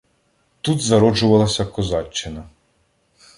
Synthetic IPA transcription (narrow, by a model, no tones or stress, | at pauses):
t̪ut̪zɐɾɔd͡ʒʊʋɐlˠɐsʲɐkɔzɑt͡ʃːɪnɐ